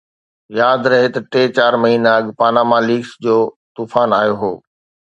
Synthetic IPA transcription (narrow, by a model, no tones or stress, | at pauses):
jaːd̪ɾɐɦet̪ɐʈeːt͡ɕaːɾmɐɦiːnaɐɠpaːnamãliːksd͡ʑoː | t̪uːfaːnaːjoɦoː